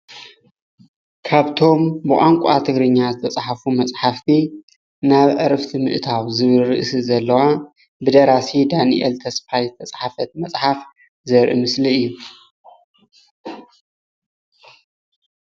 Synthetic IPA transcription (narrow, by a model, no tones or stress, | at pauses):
kʰaβt̪ʰo̞mbɨʔʼaŋkʷʼat̪ʰɨɡɾɨɲːazɨt̪ʰɐt͡sʼħafumɐt͡sʼħaft̪ʰi | naβʕɨɾɐft̪ʰimɨʔɨt̪ʰawzɨβɨlɾɨʔsɨzɐlːɐwa | bɨd̪ɐɾasid̪anḭʔɛ̰lt̪ʰɐsfajzɨt̪ʰɐt͡sʼħafɐt̪̚mɐt͡sʼħaf | zɐɾʔḭmɨsliɨjːu